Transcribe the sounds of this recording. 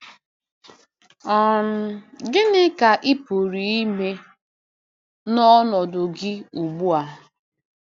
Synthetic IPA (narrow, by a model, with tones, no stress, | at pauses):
ɔ˨n̩˦dɪ˦nɪ˦ka˨ʔɪ˦po˨ɾi˨i˦me˦ | nɔ˦nɔ˨dʊ˨ɡɪ˦u˨ɡ͡bu˦a˨